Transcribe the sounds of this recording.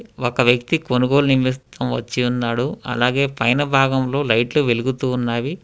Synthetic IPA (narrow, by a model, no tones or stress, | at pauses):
okɐʋjɐk̚t̪ikonuɡo̞ːlunimist̪ʰɐmʋɐ̰t͡ʃːiunːaːɽuɐ̰laːɡe̞ːpɐjnɐbʱaːɡɐmlo̞ːlɐjʈluʋeluɡut̪uːnːaːji